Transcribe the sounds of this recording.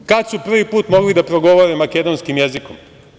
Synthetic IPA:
kat̪supr̩ʋipuːt̪mo̞ɡlid̪apɾoɡo̞ʋoɾemaked̪onskimjezikom

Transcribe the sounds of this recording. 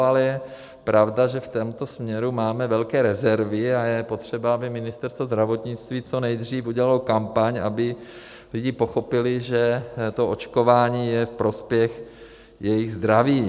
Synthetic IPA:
alɛjɛ | pɾavdaʒɛft̪ɛmut̪o̞smɲɛɾumaːmɛvɛlkɛːɾɛzɛɾvɪajɛpo̞t̪r̝̥ɛbaabɪmɪnɪst̪ɛɾst̪vozd̪ɾavo̞t̪ɲɪt͡st̪viːt͡so̞nɛjd̪riːfuɟɛlalokampaɲa̰bɪ | lɪɟɪpo̞xo̞pɪlɪʒɛt̪o̞ʔot͡ʃko̞vaːɲiːjɛfpɾo̞spjɛx | jɛjɪɣzd̪ɾaviː

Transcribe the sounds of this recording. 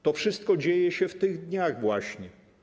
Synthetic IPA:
t̪ɔfʂɘst̪̚kɔd͡ʑejɛɕɛft̪ɘɣd̪ɲaɣvwaɕɲɛ

